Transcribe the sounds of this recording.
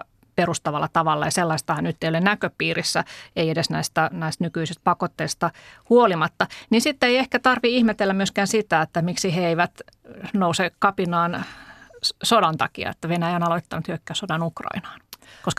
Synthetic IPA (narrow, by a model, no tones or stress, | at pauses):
perust̪ɑʋɑlːɑt̪ɑʋɑlːɑjɑselːɑist̪ɑhɑnnyt̪ːejolennækøpiːrisːæ̰eiedesnæist̪ænæist̪nykyisist̪̚pɑkot̪ːeist̪ɑhuolimɑt̪ːɑnisit̪ːeiehkæt̪ɑrʋiihmet̪elːæmmyøskæːnsit̪æet̪ːæmiksiheeiʋæt̪nousekɑpinɑːn | sodɑnt̪ɑ̰kḭɑ̰ḛt̪ːæʋenæjæonɑloit̪ːɑnut̪hyøkːæːsodɑnukrɑ̰inɑ̥ːnkoskɑ